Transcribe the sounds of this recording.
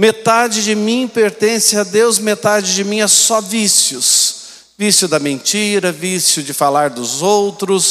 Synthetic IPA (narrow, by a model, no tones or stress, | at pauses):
met̪ad͡ʒɪd͡ʒɪmĩpeɾt̪ẽsɪɐd̪ewzmet̪ad͡ʒɪd͡ʒɪmĩɛsɔvisjʊs | visjʊd̪ɐmẽnt͡ʃiɾɐvisjʊd͡ʒɪfalaɾd̪ʊzowt̪ɾʊs